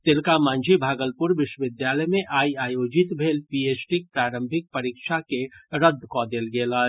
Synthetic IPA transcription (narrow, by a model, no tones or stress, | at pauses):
t̪ɪlkamãːnd͡ʒʱibʱaːɡəlpʊɾʋɪʃwəʋɪd̪jaːləjmẽʔaːiaːjoːd͡ʒɪt̪bʱeːlpiːeːsʈik̚pɾaːɾə̃mbʱɪk̚pɐɾiːkʃakeɾəd̪ʱːkɔd̪eːlɡeːlaː